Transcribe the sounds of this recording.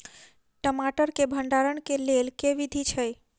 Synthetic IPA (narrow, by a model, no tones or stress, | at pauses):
ʈəmaʈəɾkebʱəɳɖaɾəɳkelelkeʋid̪ʱit͡ʃʰej